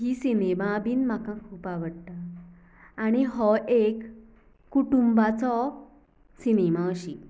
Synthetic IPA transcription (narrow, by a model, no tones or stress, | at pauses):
ɦiːsinemabiːnm̤akãkʰuːpaʋəɽt̪aː | ɽ̃iɦɔʔekː | uʈumbat͡sɔ | sinemaəɕi